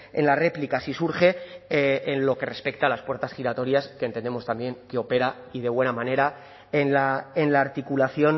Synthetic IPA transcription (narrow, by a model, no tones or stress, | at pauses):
e̞̰nlare̞plikasisuɾxe̞ː | nlo̞ke̞re̞spe̞k̚t̪alaspwe̞ɾt̪asxiɾat̪o̞ɾjaskent̪e̞nd̪e̞mo̞st̪ambje̞ŋkeo̞pe̞ɾa | iðe̞βwe̞namãne̞ɾa | enlaenlaːɾt̪ikulaθjo̞n